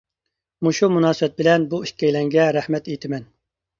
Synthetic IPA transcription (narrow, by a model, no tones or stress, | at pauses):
muʃumunɑːsɨbɛt̪̚bɪlɛnbuiʃkʲɛjlɛŋɡʲɛɾæhmɛt̪ejt̪ʰɪmɛn